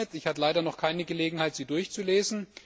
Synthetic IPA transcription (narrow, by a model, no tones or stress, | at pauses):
ətɪçhatəlaɪɾɐnɔχkʰaɪnəɡəleːɡŋ̩haɪtz̥iːdʊɐçt͡suleːzn̩